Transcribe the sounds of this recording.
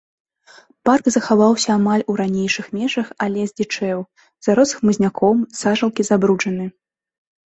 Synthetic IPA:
parɡzɐxavawsʲɐːmalʲuɾanʲejʂɨxmʲɛʐɐxɐlʲɛzʲd͡zʲit͡ʂɛw | z̥aɾɔsɨxmɨzʲnʲakʰɔmsaʐɐlˠkʲizabɾut͡ʂɐnɨ

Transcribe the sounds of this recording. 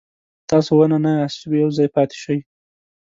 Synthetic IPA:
t̪ɑsowananaast̪ubijawzɑjpɑt̪ɪ̥ʃəj

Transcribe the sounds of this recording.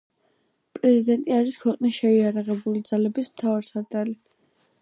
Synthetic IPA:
pʼɾɛzid̪ɛnt̪ʼiaɾiskʰwɛqʼnisʃɛiaɾaʁɛbulid̪z̥alɛbismt̪ʰavaɾsaɾd̪ali

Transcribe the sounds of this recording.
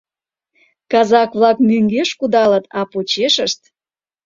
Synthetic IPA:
kɑzɑkβlɑkmyŋɡeʃkud̪ɑlət̪ɑpot͡ɕeʃəʃt̪

